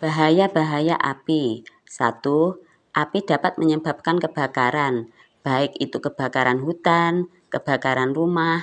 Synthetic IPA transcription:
b̥aɦajab̥aɦajaʔa̰pi | sa̰t̪u | ʔapidapat̪̚məɲəba̤p̚kankəb̥a̤kaɾan | b̥aɪkit̪ukəb̥a̤kaɾanɦut̪an | kəb̥a̤kaɾanrumah

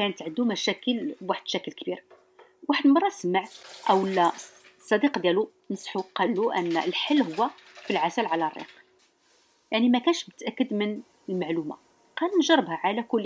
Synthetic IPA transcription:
kænət̪ʕənd̪umæʃækəlwaħəd̪ʃækəlkbiɾ | waħəd̪mɑrˤːɑsmaʕʔəwəlːæ | sˤːɑd̪iqd̪jælu | nəsˤħuqːɑlːuʔə̰nːlħəlːhʊwːæ | filʕazælʕalærˤːḭq | jaʕnimækænʃbət̪ːʔækːəd̪mən | əlmaʕluma̰ | qɑlnʒɑrˤːəbhæʕalækʊlː

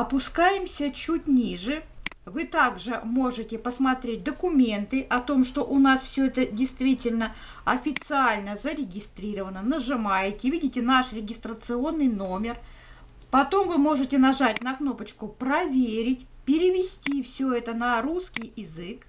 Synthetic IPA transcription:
ɐpʊskajɪmsʲət͡ɕut̚ʲnʲiʐɨ | vɨt̪aɡʐɨmo̞ʐɨtʲɪpəsmɐt̪ɾʲet̚ʲd̪əkʊmʲe̞nt̪ɨʔɐt̪o̞mʂt̪o̞ʔʊnasfsʲɵɛt̪ədʲɪjst̪vʲitʲɪlʲnə | ɐfʲɪt̪sɨalʲnəzəɾʲɪɡʲɪst̪ɾʲiɾəvənənəʐɨmajɪtʲɪvʲidʲɪtʲɪnaʂɾʲɪɡʲɪst̪ɾət̪sɨo̞nːɨjno̞mʲɪr | pɐt̪o̞mvɨmo̞ʐɨtʲɪnɐʐatʲn̪ɐkno̞pət͡ɕkʊpɾɐvʲeɾʲɪtʲpʲɪɾʲɪvʲɪsʲtʲifsʲɵɛt̪ənɐɾuskʲɪjɪzɨk

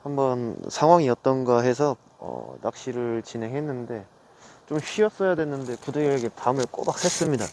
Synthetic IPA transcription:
hambʌnsʰaŋwaŋiʌt̚t͈ʌnɡaɦe̞s̬ʰʌ | ʌ̰nak̚ɕ͈iɾɯɭt͡ɕinɦe̞ŋɦe̞nːɯnde̞ | t͡ɕomɕɥiʌs͈ʌjadwe̞nːɯnde̞kudeɡjɾeɡe̞tamɯɭk͈o̰bak̚s͈ʰes͈ɯmɲida

